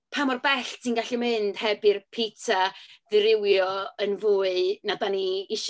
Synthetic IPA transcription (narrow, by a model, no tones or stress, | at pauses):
pʰamɔrbɛɬtʰinɡaɬimɨnd̥hɛbɨrpʰitʰaðɨɾɪwjɔənvuːɨnadaniɪʃ